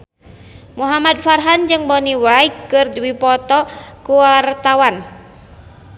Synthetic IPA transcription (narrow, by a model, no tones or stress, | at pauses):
muɦamad̪̚farɦand͡ʒɨŋbɔniwaikːɨrdwipɔt̪ɔkuwart̪awan